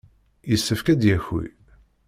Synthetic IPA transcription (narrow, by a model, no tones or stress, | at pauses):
jəsːəfkæd̪jæçwḭ